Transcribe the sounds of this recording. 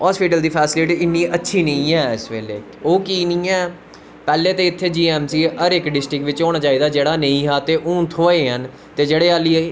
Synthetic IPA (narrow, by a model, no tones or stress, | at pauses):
ɦɔːspɪʈəld̪iːpʰɛːsɪlɪʈiːɪnːiːʔətːʃʰiːnəĩːɛːɪsʋḛːlḛː | oːkiːnĩːɛː | pɛːleːt̪eːɪt̪ʰːeːd͡ʒiːɛːmsiːəɾɪkɖɪsʈɾɪkʋɪt͡ʃoːɽaːt͡ʃaːiːd̪aːd͡ʒeːɽaːneĩːɦaːt̪eːʔũːnt̪ʰoːeːɦən | t̪eːd͡ʒeːɽeːaːlːiː